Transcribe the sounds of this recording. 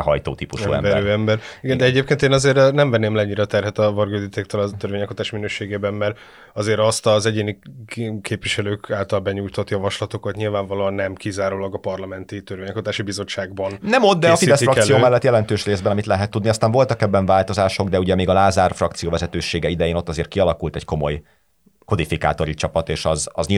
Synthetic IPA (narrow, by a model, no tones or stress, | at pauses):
ɦɒ̰jt̪o̰ːt̪iːpuʃṵɛ̰mɛɾøːɛmbɛɾiɡɛnd̪ɛɛɟeːp̚keːnt̪eːnɒzeːɾnɛɱvɛnːeːmlɛɲːiɾɛt̪ɛrɦɛt̪ɒvɒrɡøːd̪it̪eːkt̪ølɒt̪øɾvʋeːɲɛkot̪aːʃminøːʃeːɡeːbɛmmɛɾ | ɒzeːɾɒst̪ɒzɛɟeːnikʰeːpviʃɛløːkaːlt̪ɒlbɛɲuːjt̪ot̪jɒvɒʃlɒt̪okɒt̪ɲilvaːɱvɒloːɒnːɛmkizaːɾoːlɒɡɒpɒrlɒmɛnt̪it̪øɾveːɲɛkot̪aːʃibizo̞t͡ʃːaːɡ̚bɒnnɛmo̞d̪̚d̪ɛɒsfid̪ɛsrɒksijoːmɛlːɛt̪ːjɛlɛnt̪øːʃreːzbɛnɒmit̪lɛɦɛt̪ːud̪niɒst̪aːɱvo̞lt̪ɒkɛbːɛɱvaːlt̪o̞zaːʃo̞ɡd̪ɛuɟɛmeːɡɒlaːzaːrfrɒkt̪sijoːvɛzɛt̪øːʃeːɡɛid̪ɛjeːno̞t̪ːɒzeːrt̪̚kiɒlɒkult̪ɛcko̞mo̞̰j | ko̞d̪ifika̰ːt̪o̞ɾit͡ʃɒpɒt̪eːʃɒzɒzɲ